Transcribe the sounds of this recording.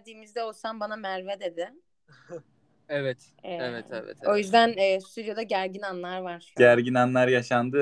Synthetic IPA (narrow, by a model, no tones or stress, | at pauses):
d̪iːmizd̪ɛo̞lˠsambanamæɾvɛd̪e̞d̪ɪ | evɛt̪ː | evɛḛvɛ̰t̪o̞jyzd̪ænɛːst̪ʰyd̪jo̞d̪aɟæɾɟinanlˠaɾvaɾ̥ɟ̥æɾɟinanlˠaɾjaʃand̪ɯ